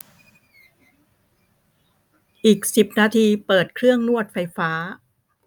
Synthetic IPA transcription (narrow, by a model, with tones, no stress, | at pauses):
ʔiː˨˩k̚si˨˩p̚naː˧t̪ʰiː˧pɤː˨˩t̪̚kʰɾɯ˥˩əŋnu˥˩ət̪̚fa˧jfaː˦˥